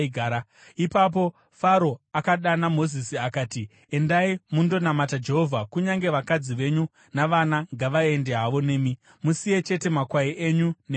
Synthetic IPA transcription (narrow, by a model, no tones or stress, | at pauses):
ɡʱaɾa | ipap̬o̞ | faɾo̞akaɗanamo̞zisiakaːti | e̞ndaimundo̞namatad͡ʒe̞ɦo̞vʱakuɲaŋɡe̞ʋakad͡ziʋe̞ɲu | naʋanaŋɡaʋae̞nde̞ɦaʋo̞ne̞ːmi | musije̞t͡ʃe̞te̞makwaiʔe̞ɲune